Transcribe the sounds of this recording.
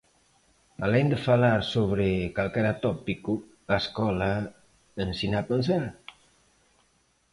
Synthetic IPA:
alɛnd̪əfalaɾsoβɾekalˠkɛɾat̪ɔpiku | askɔla | ənsinapənsaɾ

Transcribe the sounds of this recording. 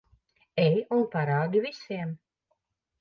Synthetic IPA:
ɛjunpaɾaːɡ̪ʲivisiɛm

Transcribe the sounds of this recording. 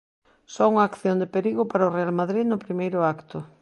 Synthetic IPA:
sɔuŋaːkθjond̪epeɾiɣʊpaɾaʊrealmaðɾiðnʊpɾimejɾʊakt̪ʊ

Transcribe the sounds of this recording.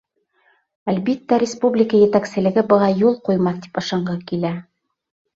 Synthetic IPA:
ælbit̪ːæɾʲɪspublʲɪkəjɘ̆t̪æksɘ̆lɘ̆ɡɘbɤ̆ʁɑjulˠqujmɑθt̪i̥pɤ̆ʃɑɴɢɤkilæ

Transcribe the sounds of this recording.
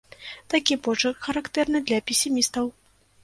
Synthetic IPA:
t̪akʲibɔt͡ʂɨxɐɾakt̪ɛrnɨd̪lʲɐpʲesʲimʲist̪ɐw

